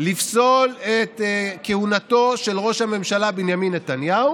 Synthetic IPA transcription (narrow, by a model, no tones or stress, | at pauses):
lifso̞let̪kehunat̪o̞ʃe̞lʁo̞ʃhame̞mʃalabinjaminːet̪anjau